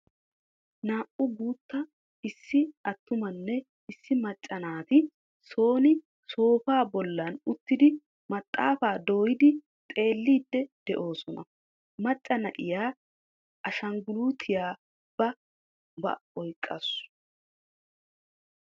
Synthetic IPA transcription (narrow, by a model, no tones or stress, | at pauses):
naːʔʊɡuːt̪ːɐ | ɪsːɪɐt̪ːʊmɐnːɛ | ɪsːɪmɐt͡ʃʼːɐnaːt̪ɪ | so̞ːnɪ | so̞ːfaːbɔlːɐnʊt̪ːɪd̪ɪ | mɐt̪ʼːaːfaːd̪o̞ːjɪd̪ɪ | t̪ʼe̞ːlːiːd̪ːɛd̪̥ɛʔo̞ːsɔnɐ̰ | mɐt͡ʃʼːɐnɐʔɪjaː | ʔɐʃɐŋɡʊluːt̪ʰɪjaː | b̥ɐ | bɐ̰ɔjkʼːɐ̰s